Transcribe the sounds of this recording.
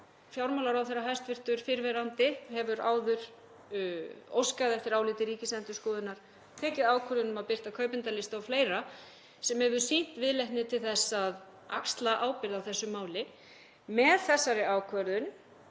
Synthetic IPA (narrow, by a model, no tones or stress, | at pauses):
fjawɾmawlaɾawθɛrːaɦajst̪vɪr̥t̪ʏɾ̥fɪɾvɛɾant̪ɪhɛvʏɾa̰ːwðʏɾ | o̰wskaðɛft̪ɪɾaːwlɪːt̪ɪɾiːcɪsɛnt̪ʏskɔːðʏnaɾ̥ | t̪ʰɛːcɪðaːwkʰvœɾðʏnʏmaðpɪr̥t̪akʰœːɥpɪnt̪alɪst̪awfleːjɾa | sɛmhɛvʏɾsen̥t̪vɪðlɛjht̪nɪt̪ʰɪlθɛsːað | akst̪laʔaːwpɪɾðawθɛsːʏmːaːwlɪ | mɛðθɛsːaɾɪaːwkʰvœɾðʏn